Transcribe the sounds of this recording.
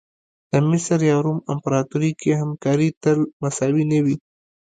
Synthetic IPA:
d̪̥əmɪsəɾjɑɾumɪmpɾɑt̪uɾikehamkɑɾit̪əlmasɑwinəwi

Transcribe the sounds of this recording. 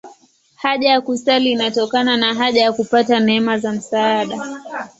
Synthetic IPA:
haʄajakustaliːnatɔkananaɦaʄajakupatanɛɛmazam̩saːɗa

